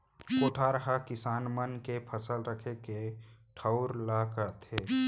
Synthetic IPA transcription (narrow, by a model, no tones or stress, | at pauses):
koːʈʰaːɾəɦakɪsaːnmənkepʰəsəlɾəkʰekeʈʰəʊɾlakət̪eː